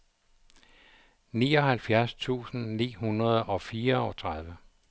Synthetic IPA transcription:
niːɒ̽ɦælfjæɐst͡sʰṵːsn̩nḭːhunʁɐð̞̩ˠɒ̽fiːɐɒ̽t͡sʰʁaðˠʋə

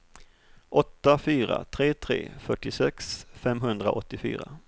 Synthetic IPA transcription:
ʔɔt̪ːafyːɾa̰t̪ʰɾeːt̪ʰɾḛːfœʈːɪsɛksfɛmɦɵnd̪ɾaʔɔt̪ːɪfy̰ːɾa

